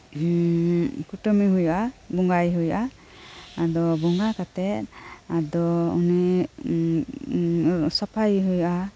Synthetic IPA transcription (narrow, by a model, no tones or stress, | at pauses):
kuʈɔmiɦujuʔabɔŋɡajɦujuʔa | ad̪ɔbɔŋɡakat̪ɛt̪̚ad̪ɔṵni | sɔpʰajɦujuʔa